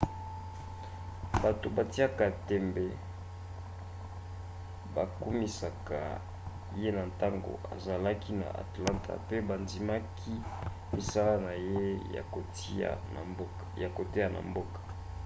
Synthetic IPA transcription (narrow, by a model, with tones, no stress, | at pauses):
ba˨to˨ba˨ti˦a˦ka˨tɛ˨mbɛ˨ | ba˨ku˦mi˨sa˨ka̰˨ | je˦na˨nta˦ŋɡo̰˨a̰˨za˨la˦ki˦na̰˨ʔa̰˨tla˦ntʰa̰˨pe˦ba˨ndi˨ma˦kʰi˦ | mi˨sa˦la˦na˨jḛ˦˨˦ | ja˨ko˨te˦ja˨na̰˨mbo˦kḁ˨